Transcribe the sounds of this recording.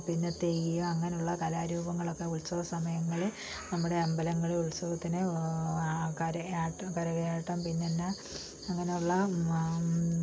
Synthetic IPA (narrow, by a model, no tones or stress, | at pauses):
pinːɐt̪ːejijumɐŋːɐnejuɭːɐkɐlaːɾuːbɐŋːɐɭo̞kːeuɭsɐʋɐsɐmɐjɐŋːɐɭe | nɐmːuɽe̞ɐmbɐlɐŋːɐɭeuɭsɐʋɐt̪ːinɨ | kɐɾɐaːʈːɐkɐɾɐɣɐaːʈːɐmpinːɐnːɐ | ɐŋːɐne̞juɭːɐ